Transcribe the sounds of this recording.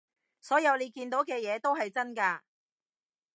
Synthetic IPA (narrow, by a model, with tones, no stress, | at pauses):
sɔː˨˥jɐ˨˧wle˨˧jkiː˧nt̪̬o˨˥wkɛː˧jɛː˨˧t̪o˥wɦɐ˨jt͡sɐ˥nkaː˧